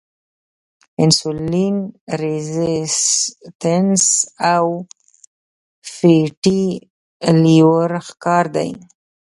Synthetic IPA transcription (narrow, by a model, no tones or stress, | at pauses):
ɪnsulinɾezɪstənsaw | fiʈi | liwəɾxkɑɾd̪a̰j